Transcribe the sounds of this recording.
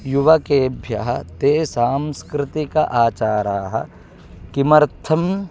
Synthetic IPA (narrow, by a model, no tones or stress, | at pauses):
juʋɐkeːbʱjɐ̰ɦɐ̆t̪eːsaːmskɾɪt̪ikɐ̰ʔaːt͡ʃaːɾaːɦɐ̰̆ | kimɐɾt̪ʰɐm